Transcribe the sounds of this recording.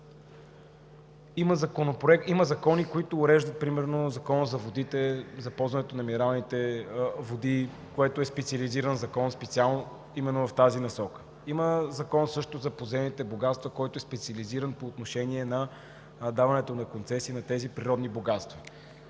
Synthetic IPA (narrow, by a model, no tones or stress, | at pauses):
iməzɐkonopɾoɛkiməzɐkɔnikoit̪oːɾɛʒd̪ət̪̚pɾimɛɾnozɐkɔnəzɐvod̪it̪ɛzɐpɔlˠzvɐnɛt̪onɐminɛɾalˠnit̪ɛvod̪i | koɛt̪oɛspɛt̪sʲiəliziɾənzɐkɔnspɛt̪sialˠno | imɛnːovɐft̪azinɐsɔkə̥ | iməzɐkɔnsɤʃt̪ozɐpozɛnit̪ɛboɡat̪st̪vɐkɔjt̪oɛspɛt̪sʲiəliziɾənpoːt̪noʃɛniɛnɐ | d̪avɐnɛt̪onɐkont̪sɛsiːnɐt̪ɛzipɾiɾɔd̪niboɡat̪st̪vɛ